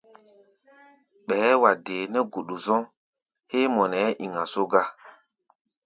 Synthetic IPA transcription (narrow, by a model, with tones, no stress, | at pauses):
ɓɛ˨˦wa˨deː˨nɛ˦ɡo˨ɗu˨zɔ̃˦ | he˦mɔ˨nɛ˨˦ʔi˨ŋa˨so˦ɡa˦